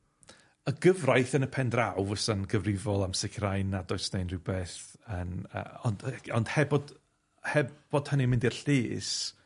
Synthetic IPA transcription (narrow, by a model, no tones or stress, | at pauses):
əɡəvrajθənəpʰɛndrawvəsənɡəvrɪvɔlˠamsɪkʰrajnːadɔɨsnejnrɪwbeːθənə̰ɔnd̥ɔnd̥hɛbɔd̥ | hɛb̥ɔd̥hənimɪ̃ndir̥ɬɪːs